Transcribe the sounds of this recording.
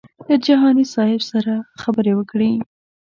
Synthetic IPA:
d̪əd͡ʒaɦɑnisɑhɪbsaɾaxabəɾewəkɽi

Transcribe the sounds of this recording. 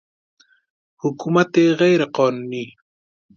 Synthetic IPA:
hʊkumat̪eɣajɾeqɑːnuːni

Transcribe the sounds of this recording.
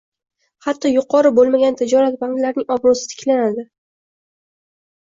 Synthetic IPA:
hat̪ʰːɒjʊqʰɒɾɪbolˠmaɡʲant̪ʰɪd͡ʒɒɾat̪baŋklaɾɪnɪŋɒbɾɒʊsɪ̥t̪ʰɪ̥kʲʰlanad̪ɪ

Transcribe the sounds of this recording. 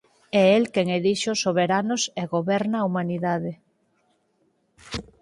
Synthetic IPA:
ɛelkeŋeðiʃosoβeɾanoseɣoβɛɾnaːumaniðað̞e

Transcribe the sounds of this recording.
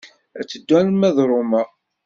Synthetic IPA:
æt͡sːəd̪ːænmæðɾˤomæ

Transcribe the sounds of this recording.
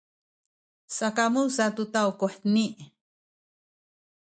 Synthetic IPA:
sakamusat̪ut̪awkuħt̪niʔ

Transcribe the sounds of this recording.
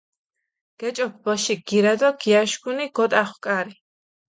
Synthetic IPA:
ɡ̥ɛt͡ʃʼɔp̚ʰbɔʃiɡ̥iɾɛd̪ɔɡiaʃɡuniɡ̥ɔt̪ʼaχwkʼaɾi

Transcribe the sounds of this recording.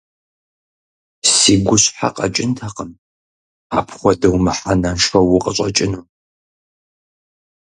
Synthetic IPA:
siːɡʷʊɕħa̰qɐ̰t͡ʃʼɪntʰaqəm | aːpʰχʷɔdɐwmɨħanɐnʂɐwʊqʼəɕʼɐt͡ʃʼɪnuː

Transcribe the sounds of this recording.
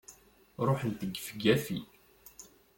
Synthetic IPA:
ɾˤoħənt̪əɡːfəɡæfḭ

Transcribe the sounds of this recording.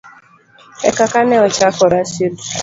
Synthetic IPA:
ɛkakanɛɔt͡ʃakɔɾasil

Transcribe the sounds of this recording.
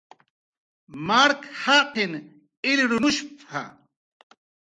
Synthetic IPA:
maɾkhaqɪn | ɪlɾʊnʊʃpa̰

